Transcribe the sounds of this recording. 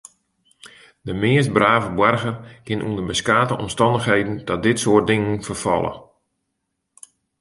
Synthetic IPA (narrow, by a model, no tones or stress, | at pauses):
dəmɪəst̚braːvəbwɛrɣərkɪnʔṵəndəbəskaːtəʔɔmstɑndəxhejdən̩dɔt̚dɪtsoərt̚dɪŋənfərfɔ̰lˠə̰